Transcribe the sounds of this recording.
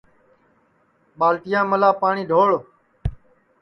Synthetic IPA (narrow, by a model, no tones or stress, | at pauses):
ɓaːlʈ̪ɪjãːməlaːpaːɳiːɖʱoːɭ